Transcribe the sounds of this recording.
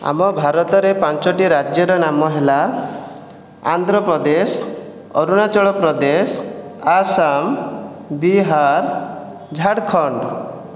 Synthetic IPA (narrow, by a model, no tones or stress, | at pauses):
a̰mɔbʱaɾɔt̪ɔɾepant͡ʃɔʈiɾad͡ʒjɔɾɔnamɔɦela | a̰nd̪ɾɔpɾɔd̪es | ɔɾunat͡ʃɔɭɔpɾɔd̪esasam | biɦaɾ | d͡ʒʱaɽkʰɔɳɖ